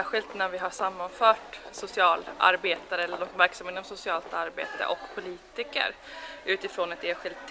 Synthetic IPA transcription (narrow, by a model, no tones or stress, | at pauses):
æɧɪlt̪næɾvɪɦaʂamːanfœːʈsʊsɪɑːla̰ɾbeːt̪aɾəɛlːəɖɔsmvæɾksamɪt̪ːɔmsʊsɪɑːlt̪aɾbḛːt̪ə̰ʔɔkpʰʊliːt̪ɪkə̰ɾ | ʔʉ̟ːt̪ɪfɾoːnɛt̪eːnɧɪld̪